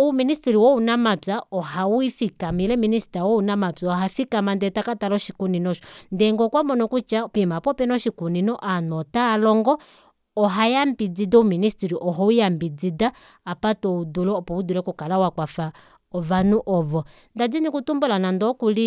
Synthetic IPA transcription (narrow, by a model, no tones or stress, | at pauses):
uministiɾiwɔunamapaɔɦawifikamilɛminisi̥tawɔunamapaɦafikamandɛtakatalɔʃikuninɔʃɔ̥ndɛŋɡɔkwamɔnɔkut͡ʃapimapɔpɛnɔʃikuninɔʔanɔtalɔŋɡɔː | ɦajambid͡zidauministiɾiʔɔɦɔwijambid͡zidaː | patɔudulɔːpɔudulɛkukalawakwafa | ɔvanuʔɔvɔ | ndad͡zinikutumbulanandɔkuli